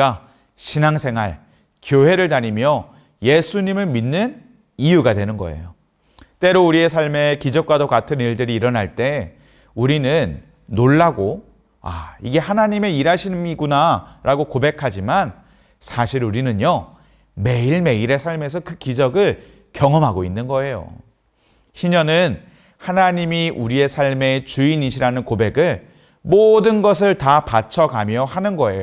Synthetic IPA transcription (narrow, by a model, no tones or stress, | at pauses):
a | ɕʰinaŋsʰe̞ŋɦa̰ɭ | kjoɦe̞ɾɯɭtaɲimjʌ | je̞sʰuɲimɯɭminːɯn | ijuɡadwe̞nɯnɡʌ̰ḛjo | t͈e̞ɾouɾie̞sʰaɭme̞kid͡ʑʌk̚kwadokatʰɯniɭdɯɾiːɾʌnɦaɭt͈e̞ | uɾinɯnː | oɭːaɡo | a̰iɡe̞hanaɲime̞iɾaɕʰimiɡunaɾaɡokobe̞kʰad͡ʑiman | sʰaɕʰiɾuɾinɯɲjo | me̞iɭme̞iɾe̞sʰaɭme̞s̬ʰʌkɯkid͡ʑʌɡɯɭ | kjʌŋʌmɦaɡoinːɯnɡʌe̞jo̰ | ɕiɲʌnɯn | hanaɲimiʔuɾie̞sʰaɭme̞t͡ɕuiniɕʰiɾanɯnkobe̞ɡɯɭ | modɯnɡʌs̬ʰɯɭtapat͡ɕʰʌkamjʌhanɯnɡʌe̞̰jo